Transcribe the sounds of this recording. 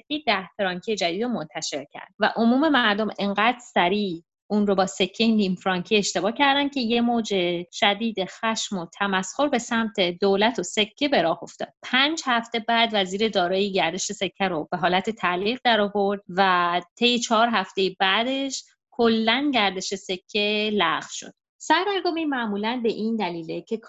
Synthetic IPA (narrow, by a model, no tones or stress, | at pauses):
sekʰʲːejd̪æhfɾɒːŋcʰied͡ʒæd̪iːd̪omo̞nt̪ʰæʃe̞ɾcʰæ̰ɾd̪væ̰ʔo̞muːme̞mæɾd̪o̞me̞ŋɢæːd̪̥sæɾiː | ʔunɾobɒːse̞cʰːenimfɾɒːŋkʰie̞ʃt̪e̞bɒːcʰæɾd̪ænd̪̚cʰe̞je̞moːd͡ʒe̞ʃæd̪iːd̪exæʃmo̞t̪ʰæmæsho̞ɾbe̞sæmt̪ʰe̞d̪oːlæt̪ʰose̞cʰːe̞be̞ɾɒːho̞ft̪ɒ̰ːd̪̥̚pʰænd͡ʒhæft̪e̞bæːd̪væziːɾe̞d̪ɒːɾɒːjiɟæɾd̪e̞ʃese̞cʰːæɾob̥e̞ɦɒːlæt̪ʰe̞t̪ʰæliːɣd̪æɾɒːvo̞ɾd̪̥̚væt̪ʰe̞jet͡ʃʰɒɦɒːɾɦæft̪e̞jibæd̪e̞ʃ | kʰolːænɟæɾd̪e̞ʃesecʰːelæʁvʃo̞̰d̪̥ | sæɾɾæɾɡomimæʔmuːlænbe̞ʔind̪æliːlecʰe̞kʰ